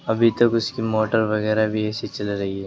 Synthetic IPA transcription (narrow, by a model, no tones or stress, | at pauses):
ɐbʱit̪ɐkʊskimoːʈəɾʋɐɣɛːɾabʱiɛːset͡ʃɐlɾɐɦiɦɛː